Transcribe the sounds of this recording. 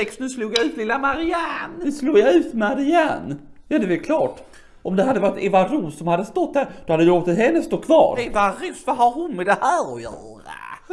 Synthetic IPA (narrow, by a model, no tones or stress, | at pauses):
ɛkst̪nʉsluːɡjaʉ̟ːt̪lɪlːamaɾɪanɵsluːɡjaʉ̟ːt̪maɾɪanː | jɑd̪ɛvɛlkʰlɑːʈ | ʔɔmd̪ɛɦad̪ːəvat̪ːɛvaɾusːɔmhad̪ːəst̪ɔt̪̚ːd̪æɾd̪̥ɔhad̪əjoːt̪ət̪hɛnːəst̪oːkʰvɑ̰ːɾɛvaɾuːsvaɦaɾhʊnmɛd̪ɛhæːɾɔjœːɾa̰